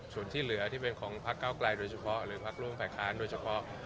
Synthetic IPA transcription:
su˨˩ənt̪ʰiː˥˩lɯ˩˦ɐt̪ʰiː˥˩pe˧nkʰɔː˩˦ŋpʰa˦˥kːaː˥˩wkla˧jdoː˧jt͡ɕʰa˧pʰɔ˦˥ʔɾɯː˩˦pʰa˦˥k̚ɾu˥˩əmfʰaː˨˩jkʰaː˦˥ndoː˧jt͡ɕʰa˧pʰɔ˦˥ʔ

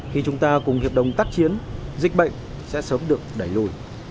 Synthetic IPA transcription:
xi˧t͡ɕʊ˨˦ŋ͡mt̪aː˧kʊ˨˩ŋ͡mhi˨˩əp̚ɗə̰˧˩wŋ͡mt̪aː˦˥k̚t͡ɕi˨˦ənzï˨˩k̚ɓə̰˧˨ŋ̟ | sɛ̰˧˥səː˨˦mɗɨ˨˩ək̚ɗa˧˩jlu˧˩j

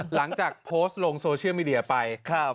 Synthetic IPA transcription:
la˩˦ŋt͡ɕaː˨˩k̚pʰoː˦˥st̪̚lo˧ŋsoː˧t͡ɕʰi˥˩miː˧di˧ɐ˧pa˧jkʰa˥

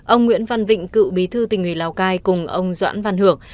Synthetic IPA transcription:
ʔə˧wŋ͡mŋwḭ˧˥ənva˧˩nvḭ̈˧˨ŋ̟kɨ̰˧˨ɓi˨˦t̪ʰɨ˧t̪ï˨˩ŋ̟hwi˨˧˩laː˨˩wkaː˧jkʊ˨˩ŋ͡mʔə˧wŋ͡mzwa̰ː˧˥nva˧nhɨ˧˩əŋ

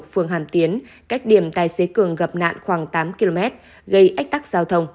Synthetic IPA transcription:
fɨ˨˩əŋɦaː˧˩mt̪i˨˦ən | ka˦˥jk̚ɗi˨˩əmt̪aː˧˨˩jse˨˦kɨ˨˩əŋɣə˨˩p̚na̰ː˧˨nxwaː˧˩ŋt̪aː˨˦mki˧lo˧mɛ˦˥t̚ | ɣə˧jʔa˦˥k̟̚t̪a˦˥k̚z̥aː˧wt̪ʰə˧wŋ͡m

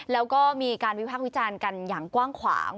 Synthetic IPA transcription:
lɛː˦˥wkɔː˥˩miː˧kaː˧nwi˦˥pʰaː˥˩wi˦˥t͡ɕaː˧nka˧njaː˨˩ŋkwaː˥˩ŋkʰwa̰ː˩˦ŋ

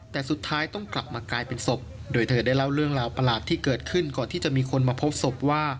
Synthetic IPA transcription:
t̪ɛː˨˩su˨˩t̪ʰːaː˦˥jt̪ɔ˥˩ŋkla˨˩p̚maː˧klaː˧jpe˧nso˨˩p̚doː˧jt̪ʰɤː˧daː˥˩jla˥˩wɾɯ˥˩əŋɾaː˧wpa˧laː˨˩t̪ʰːiː˥˩kɤː˨˩t̪̚kʰɯ˥˩nkɔː˨˩nt̪iː˥˩t͡ɕa˨˩ʔmiː˧kʰo˧nmaː˧pʰo˦˥p̚so˨˩p̚waː˥˩

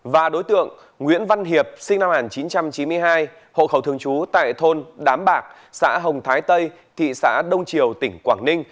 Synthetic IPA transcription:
vaː˨˩ɗo˨˦jt̪ɨ̰˧˨əŋ | ŋwḭ˧˥ənva˧nɦi˨˩əp̚sï˧ŋna˧mhŋaː˨˩nt͡ɕi˨˦nt͡ɕa˧mt͡ɕi˨˦mɨ˧əjɦaː˧j | ho̰˧˨xə˧˩wt̪ʰɨ˧əŋt͡ɕu˨˦t̪a̰ː˧˨jt̪ʰo˧nɗaː˨˦mɓaː˨˩k̚ | sa̰ː˧˥ɦə˨˩wŋ͡mt̪ʰaː˨˦jt̪ə˧j | t̪ʰḭ˧˨sa̰ː˧˥ɗə˧wŋ͡mt͡ɕi˨˩əwt̪ï˧˩ŋ̟kwaː˧˩ŋnï˧ŋ̟

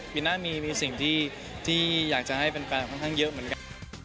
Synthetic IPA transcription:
pi˨˩naː˥˩miː˧miː˧si˨˩ŋt̪ʰiː˥˩ | t̪ʰiː˥˩jaː˨˩k̚t͡ɕa˨˩ha˥˩jpe˧nkaː˧nkʰɔ˥˩nkʰaː˥˩ŋjɤ˦˥ʔmɯ˨˩˦ənka˧

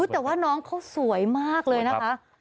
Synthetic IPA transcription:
u˦˥t̪ɛː˨˩waː˥˩nɔː˦˥ŋkʰa˦˥wsu˩˦jmaː˥˩k̚lɤː˧jna˦˥kʰa˦˥

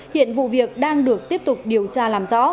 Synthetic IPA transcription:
hḭ˧˨ənvṵ˧˨vi˨˩ək̚ɗaː˧ŋɗɨ˨˩ək̚t̪i˦˥əp̚t̪ʊ˨˩k͡p̚ɗi˨˩əwt͡ɕaː˧laː˨˩mzɔ̰˧˥

